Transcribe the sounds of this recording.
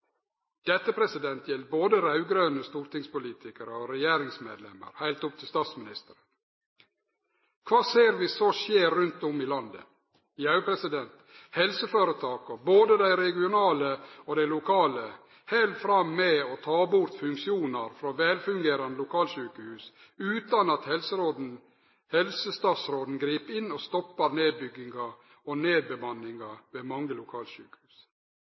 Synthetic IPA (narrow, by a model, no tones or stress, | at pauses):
d̪̥ɛt̪ːəpʰɾɛsɪd̪ɛnt̪ʰjɛlt̪̚boːd̪əɾɑʉɡɾøːnəst̪uːɾt̪ɪŋspʊliːt̪ʰɪkəɾəɔɾɛjeːɾɪŋsmḛːd̪lɛ̰mə̰ɾhæɪlt̪ʊpt̪ʰɪst̪ɑːt̪smɪnɪst̪əɾə | kʰʋɑːseːɾʋɪːsoːʃeːɾːʉnt̪ʊmɪlɑnd̪ə̰ | ɪɑʉpʰɾɛsɪd̪ɛnt̪ | hɛlsəføːɾət̪ʰɑːkɔboːd̪əd̪æɪɾɛɡɪʊnɑːləɔd̪æɪlʊkʰɑːlə | hɛlt̪fɾɑmːɛɔt̪ʰɑːbʊɾt̪fʉŋkʃɪuːnɑɾfɾɑːʋɛlfʉŋɡeːɾɑnəlʊkʰɑːlʃʉːkəhʉːs | ʉːt̪ɑnɑt̪hɛlsəɾoːd̪n̩ | hɛlsəst̪ɑːt̪sɾoːd̪n̩ɡɾiːpɪnːɔst̪ɔpːɑɾneːd̪̚bʏɡːɪŋɑ | ɔneːd̪̚bəmɑnɪŋɑʋeːmɑŋːəlʊkʰɑːlt̪ʃʉ̰ːkə̥hʉːs